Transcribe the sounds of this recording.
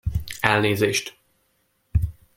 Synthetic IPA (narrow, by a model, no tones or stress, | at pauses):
ɛlneːzeːʃt̪